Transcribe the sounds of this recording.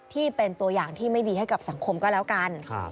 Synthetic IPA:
t̪ʰiː˥˩pe˧nt̪u˧ɐjaː˨˩ŋt̪ʰiː˥˩ma˥˩jdiː˧ha˥˩jka˨˩p̚sa˨˩˦ŋkʰo˧mkɔː˥˩lɛː˦˥wka˧n

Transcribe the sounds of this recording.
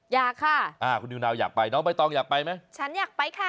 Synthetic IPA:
jaː˨˩kʰːa˧˥˩ʔaː˧˩kʰu˧nːi˧naː˧wja̰ː˨˩k̚pa˧jnɔː˦˥ŋba˧jt̪ɔː˧ŋjaː˨˩k̚pa˧jma˦˥jt͡ɕʰa˦˥njaː˨˩k̚pa˧jkʰa˦˥˩

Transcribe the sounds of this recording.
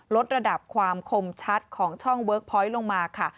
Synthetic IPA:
lo˦˥t̪̚ɾa˧da˨˩p̚kʰwaː˧mkʰo˧mt͡ɕʰa˦˥t̪̚kʰɔː˩˦ŋt͡ɕʰɔ˥˩ŋwɤː˦˥k̚pʰɔː˦˥jlo˧ŋmaː˧kʰa˥˩

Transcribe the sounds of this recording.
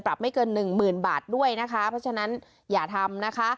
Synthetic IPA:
pɾa˨˩p̚ma˥˩jkɤː˧nːɯ˨˩ŋmɯː˨˩nbaː˨˩t̪̚du˥˩əjna˦˥kʰa˦˥pʰɾɔ˦˥t͡ɕʰa˧na˦˥n | jaː˨˩t̪ʰa˧mna˦˥kʰa˦˥

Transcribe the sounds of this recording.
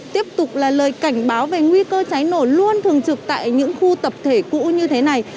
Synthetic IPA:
t̪i˦˥əp̚t̪ʊ˨˩k͡p̚laː˨˩ləː˨˩jka˧˩jŋ̟ɓaː˨˦wve˨˩ŋwi˧kəː˧t͡ɕa˨˦jno˧˩lu˧ənt̪ʰɨ˨˩əŋt͡ɕɨ˨˩k̚t̪a̰ː˧˨jɲɨ̰˧˥ŋxu˧t̪ə˨˩p̚t̪ʰe˧˩kṵ˧˥ɲɨ˧t̪ʰe˨˦na˨˩j

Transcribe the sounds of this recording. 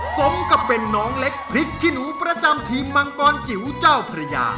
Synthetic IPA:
so˦˥mka˨˧˩pːe˧nːɔː˦˥ŋle˦˥k̚ʰɾi˦˥k̚t̪ʰi˥˩nuː˦˥pɾa˧t͡ɕa˧mt̪ʰiː˧mːa˧ŋkɔː˧nt͡ɕi˨˩˦wt͡ɕaː˥˩wpʰɾa˧ja̰ː˧

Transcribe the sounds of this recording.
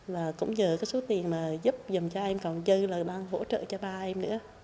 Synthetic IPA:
vaː˨˩kʊ̰˧˥ŋ͡mɲəː˨˩kaː˨˦jso˨˦t̪i˨˩ənmaː˨˩zʊ˦˥p̚za˨˩ŋ͡mt͡ɕɔ˧ʔɛ˧mkɔ˨˩nzɨ˧laː˨˩ɗaː˧ŋho̰˧˥t͡ɕə̰ː˧˨t͡ɕɔ˧ɓaː˧ʔɛ˧mnɨ̰˧˥˦

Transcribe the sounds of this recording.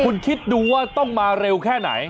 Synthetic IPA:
u˧nkʰi˦˥tt̪̚duː˧waː˥˩t̪ɔ˥˩ŋmaː˧ɾe˧wkʰɛː˥˩na̰˩˦jj

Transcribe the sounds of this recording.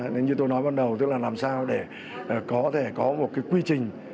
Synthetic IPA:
n˨˦ɲɨ˧t̪o˧jnɔ˨˦jɓaː˧nɗə˨˩wt̪ɨ˦˥k̚laː˨˩laː˨˩msaː˧wɗe˧˩˨ | kɔ˨˦t̪ʰe˧˩kɔ˨˦mo˨˩t̚kaː˨˦jkwi˧t͡ɕï˨˩ŋ̟

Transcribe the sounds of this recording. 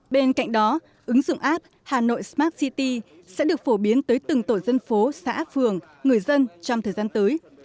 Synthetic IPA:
ɓe˧nka̰˧˨jŋ̟ɗɔ˨˦ | ʔɨ˨˦ŋzʊ̰˧˨wŋ͡mʔaː˦˥p̚ | haː˨˩no̰˧˨jsmaː˦˥t̚si˧t̪i˧ | sɛ̰˧˥ɗɨ˨˩ək̚fo˧˩ɓi˨˦ənt̪əː˨˦jt̪ɨ˨˩ŋt̪o˧˩jzə˧nfo˨˦sa̰ː˧˥fɨ˨˩əŋ | ŋɨ˨˩əjzə˧nt͡ɕɔ˧ŋ͡mt̪ʰəː˨˩jzaː˧nt̪əː˨˦j

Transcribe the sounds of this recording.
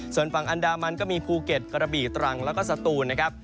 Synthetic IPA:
su˨˩ənfa˨˩ŋʔa˧ndaː˧ma˧nkɔː˥˩miː˧pʰuː˧ke˨˩t̪̚kɾa˧biː˨˩t̪ɾa˧ŋlɛː˦˥wkɔː˥˩sa˧t̪uː˧nːa˦˥kʰa˦˥p̚

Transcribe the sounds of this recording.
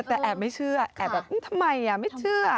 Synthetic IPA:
t̪ɛː˨˩ʔɛː˨˩p̚ma˧˥˩jt͡ɕʰɯ˥˧˥ɐʔɛː˨˩p̚bɛː˨˩p̚ʔɯ˧˥˩t̪ʰa˧mːa˧ja˨˩ma˥˩jt͡ɕʰɯ˧ɐ

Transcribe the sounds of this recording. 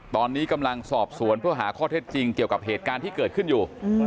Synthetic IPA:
t̪ɔː˧nːiː˦˥ka˧mla˧ŋsɔː˨˩p̚su˨˩˦ənpʰɯ˥˩əɦa̰ː˩˦kʰɔː˥˩t̪ʰeː˦˥˩t̪̚t͡ɕi˧ŋki˨˩əwka˨˩p̚heː˨˩t̪̚kaː˧nt̪ʰiː˥˩kɤː˨˩t̪̚kʰɯ˥˩njuː˨˩

